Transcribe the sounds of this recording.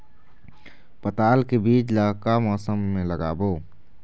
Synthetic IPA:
pət̪aːlkebiːt͡ʃlaːkamɔːsəmːẽləɡa̰ːboː

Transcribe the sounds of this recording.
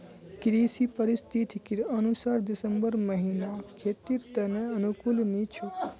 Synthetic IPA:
kɾisipəɾɪst̪ʰit̪ʰikiɾənusaɾd̪ɪsəmbəɾməɦinakʰet̪iɾt̪əneənukulnit͡ʃʰu

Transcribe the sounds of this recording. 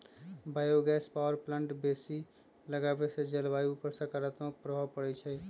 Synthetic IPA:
bajoɡɛspawəɾpləɳʈbesi | ləɡabesed͡ʒəlbajupəɾsəkəɾət̪mək̚pɾəɦəpəɽɛt͡ʃʰɛ

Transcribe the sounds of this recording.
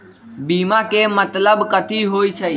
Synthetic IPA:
biːmakemət̪ləbkət̪ʰiɦoːit͡ʃʰəi

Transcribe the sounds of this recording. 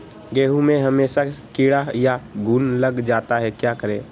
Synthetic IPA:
ɡeːɦũmẽɦəmeːʃakɪɽajaɡʱuːnləɡd͡ʒaːt̪aɦɛkjaːkəɾẽː

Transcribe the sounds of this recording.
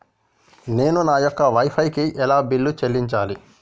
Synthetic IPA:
ne̞ːnunaːjɔkːɐʋɐjpʰɐjkiʔɛlaːbilːut͡ʃelːiɲt͡ʃaːli

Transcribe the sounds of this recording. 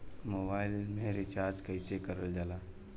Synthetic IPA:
mobaːɪlmẽɾɪt͡ʃaːɾd͡ʒkəɪsekəɾəld͡ʒalaː

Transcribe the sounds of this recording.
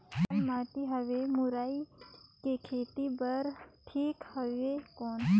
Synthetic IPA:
lmaːʈ̪iɦəʋemuɾaːikekʰeːt̪ibəɾʈʰiːkhəʋekoːn

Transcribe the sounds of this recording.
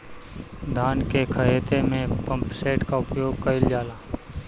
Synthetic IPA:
d̪ʱaːnkekʰəɦeːt̪emẽpə̃mpseːʈkaʊpjoːɡ̚kəɪld͡ʒaːlaː

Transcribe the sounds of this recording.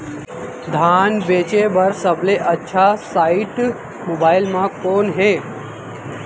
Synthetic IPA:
d̪ʱaːnʋeːt͡ʃebɐɾsəbleʔətːʃʰasaːɪʈ | mobaːɪlmãkoːnɦeː

